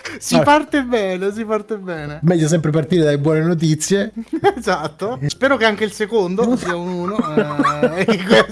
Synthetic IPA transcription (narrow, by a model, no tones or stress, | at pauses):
sipart̪ebɛːnes̬ipart̪ebːɛːnemɛjːas̬ɛmpɾepart̪iɾed̪alːebwɔːnenot̪̬it̪sːjeezat̪ːospɛːɾokeaŋk̟eilsekond̪osiaunuːnoɛ | kwe